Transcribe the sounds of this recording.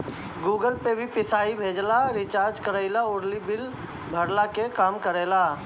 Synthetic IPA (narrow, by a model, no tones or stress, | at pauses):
ɡuːɡəlpebʱipɪsaːibʱeːd͡ʒlaɾɪt͡ʃaːɾd͡ʒkəɾəɪlaʊɾlibɪl | bʱəɾlakekaːmkəɾeːla